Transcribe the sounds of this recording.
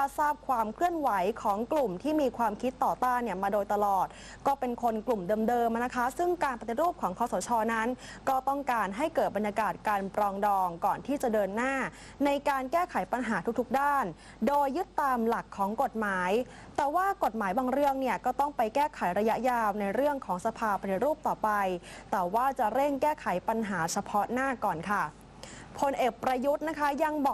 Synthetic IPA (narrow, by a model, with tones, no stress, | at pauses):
a˥saː˥˩p̚kʰwaː˧mkʰlɯ˥˩ənwa˩˦jkʰɔː˩˦ŋklu˨˩mt̪ʰiː˥˩miː˧kʰwaː˧mkʰi˦˥t̪ːɔː˨˩t̪aː˥˩nːi˥˩ɐmaː˧doː˧jt̪a˧lɔː˨˩t̪̚ | kɔː˥˩pe˧nkʰo˧nklu˨˩mdɤː˧mdɤː˧mna˦˥kʰa˦˥sɯ˥˩ŋkaː˧npa˧t̪i˨˩ɾuː˥˩p̚kʰɔː˩˦ŋkʰɔː˧˦sɔ˩˦t͡ɕʰɔː˧na˦˥nkɔː˥˩t̪ɔ˥˩ŋkaː˧nɦa˥˩jkɤː˨˩t̪̚ba˧njaː˧kaː˨˩t̪̚kaː˧npɾɔː˧ŋdɔː˧ŋkɔː˨˩nt̪ʰiː˥˩t͡ɕa˨˩dɤː˧nːaː˥˩ | na˧jkaː˧nkɛː˥˩kʰa˩˦jpa˧nɦaː˩˦t̪u˦k̚t̪ʰu˦˥k̚daː˥˩n | doː˧jːɯ˦˥t̪ːaː˧mla˨˩kʰːɔː˩˦ŋko˨˩t̪̚maː˩˦j | t̪ɛː˨˩waː˥˩ko˨˩t̪̚maː˩˦jbaː˧ŋɾɯ˥˩əŋni˥˩əkɔː˥˩t̪ɔ˥˩ŋpa˧jkɛː˥˩kʰa˩˦jɾa˧ja˦˥ʔjaː˧wna˧jɾɯ˥˩əŋkʰɔː˩˦ŋsa˧pʰaː˧pʰa˧t̪ʰi˦˥ɾuː˥˩p̚t̪ɔː˨˩pa˧jt̪ɛː˨˩waː˥˩t͡ɕa˨˩ɾe˥˩ŋkɛː˥˩kʰa˩˦jpa˧nɦaː˩˦t͡ɕʰa˧pʰɔ˦˥naː˥˩kɔː˨˩nkʰa˥˩ | pʰo˧nʔeː˨˩k̚pɾa˧ju˦˥t̪̚na˦˥kʰa˦˥ja˧ŋbɔː˨˩k̚